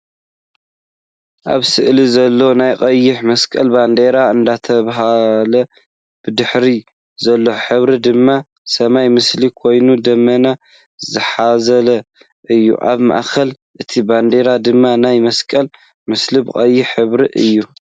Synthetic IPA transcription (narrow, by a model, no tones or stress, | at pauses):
ʔa̰βsɨʔlizɐlːo̞najkʼɐjːɪħmɐskʼɐlband̪eɾaɨnd̪at̪ʰɐβaɦalɐ | b̥ɨd̪ɨħɾi | zɐlːo̞ħɨβɾid̪ɨmːa | sɐmajmɨslikʰo̞jnud̪ɐmːɐna | zɨħazɐlɐ | ʔɨjːṵʔa̰βma̰ʔxɐl | ʔɨt̪ʰiband̪e̞ɾad̪ɨmːanajmɐskʼɐl | mɨslibɨkʼɐjːɪħħɨβɾiʔɨ̰jːu